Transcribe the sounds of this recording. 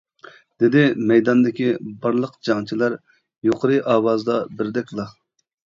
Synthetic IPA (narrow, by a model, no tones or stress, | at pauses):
d̪̥ɪd̪ɪmɛjd̪ɑnd̪ɪkʲibɑɾlˠəqd͡ʒɑŋt͡ʃʰilˠæɾ | joqʰəɾɨʔɑːwɑzd̪ɑbɪɾd̪ɛk̚ʲlˠɑ